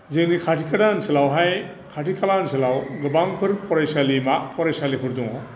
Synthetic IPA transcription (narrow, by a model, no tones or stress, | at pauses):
zeŋnikʰatʰikʰadansilawɦaj | kʰatʰikʰalansilawɡɯbaŋpʰɯɾpʰɔɾajsalimapʰɔɾajsalipʰɯɾduŋɔ